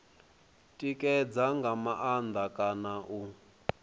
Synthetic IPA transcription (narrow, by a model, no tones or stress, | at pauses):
tʼikʼɛd͡zaŋɡamaʔand̪akʼanaʔu